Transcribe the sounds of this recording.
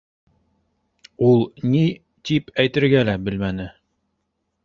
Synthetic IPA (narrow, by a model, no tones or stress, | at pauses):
ulˠni | t̪ipæjt̪ɘ̆ɾɡælæbɘ̆lmænɘ